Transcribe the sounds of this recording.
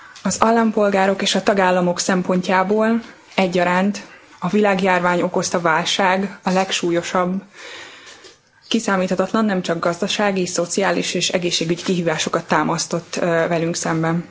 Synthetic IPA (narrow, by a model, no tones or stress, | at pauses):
ɒzɒlːɒmpo̞lɡaːɾo̞keːʃɒt̪ɒɡaːlːɒmo̞ksɛmpo̞ɲcaːboːl | ɛɟːɒɾaːnt̪ | ɒvilaːɡjaːrvaːɲo̞ko̞st̪ɒvaːlʃaːɡɒlɛkʃuːjo̞ʃɒbː | kisaːmiːt̪hʰɒt̪ɒt̪lɒnːɛmt͡ʃɒɡɡɒzd̪ɒʃaːɡiso̞t̪sijaːliʃeːʃɛɡeːʃːeːɡyɟikiɦiːvaːʃo̞kɒt̪ːaːmɒst̪o̞t̪ːvɛlyŋksɛmbɛn